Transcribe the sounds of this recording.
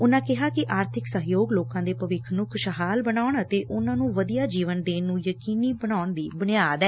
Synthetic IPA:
ʊnãːkɪɦaːkɪʔaːɾt̪ʰɪksəɦjoːɡloːkãːd̪eːpəʋɪkʰnʊkʰʃəɦaːlbənaːʊɳət̪eːʔʊnãːnũːʋəd̪ijaːd͡ʒiːʋənd̪eːnːũːjəkiːniːbənaːʊɳd̪iːbənɪjaːd̪ɛː

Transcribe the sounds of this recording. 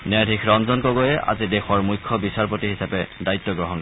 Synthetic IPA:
nɛdʱikʰɹɔnzɔnkɔɡojɛʔa̰zidɛxɔɹmujkʰːɔbisaɹpotiɦisapɛdajtːɔɡɹɔɦɔnk

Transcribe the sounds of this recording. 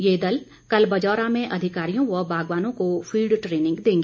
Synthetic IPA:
jeːd̪ɐl | kɐlbɐd͡ʒɔːɾamẽʔɐd̪ʱɪkaːɾijõʋɐbʱaːɡʋaːnõkofʰiːlɖʈɾeːnɪ̃ŋɡd̪ẽːŋɡeː

